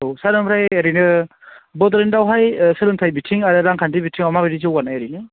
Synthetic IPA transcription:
owsaɾɯmbɾajeɾinɯ | bɔdɾendawɦajsɯlɯntʰajbitʰiŋaɾɯɾaŋkʰandibitʰiŋamabaɾizɯwanːajaɾinɯ

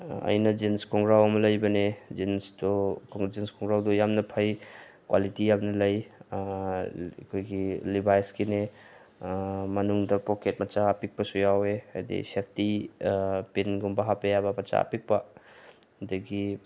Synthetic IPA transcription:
ɐ̰jnɐd͡ʒenskɔŋɡɾawɐmɐlɐjbɐned͡ʒensdokɔŋd͡ʒenskɔŋɡɾawdojamnɐpʰɐjkwa̰litijabnɐlɐj | kʰojɡilibajskine | mɐnuŋdɐpɔket̚mɐt͡ʃaːpik̚pɐsujaweajdḭsek̚ti | penɡumbɐɦapejabɐpɐt͡ʃa̰pik̚pɐ | dɐɡi

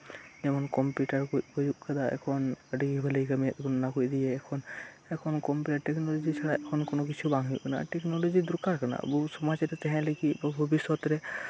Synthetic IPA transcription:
ɛmankɔmpjutaɹkojpʰɔjuk̚kʰad̪aɛ̰kʰɔndiɡibʱalekamɛt̚ɡɔnɔnakojd̪ijɛːkʰɔn | ɛkʰɔnkɔmpjutaɹʈɛknɔlɔzisaɹaʔɛkʰɔnkonok̬isʰubaŋijkna̰tɛknɔlozid̪ukaɹkʰana̰busɔmazɛtɛtɛɦɛ̃lekibɔbʱɔbisːɔtɾɛ

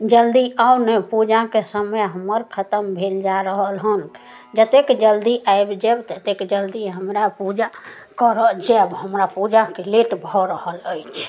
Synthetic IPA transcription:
d͡ʒəld̪iawnepud͡ʒakesəməjɦəməɾkʰət̪əmbʱeld͡ʒaɾəɦəlɦən | d͡ʒət̪ekd͡ʒəld̪iʔaebd͡ʒɛbt̪ət̪ekd͡ʒəld̪iɦəmɾapud͡ʒa | kəɾəd͡ʒebɦəmɾapud͡ʒakeleʈbʱɔɾəɦələjt͡ʃʰ

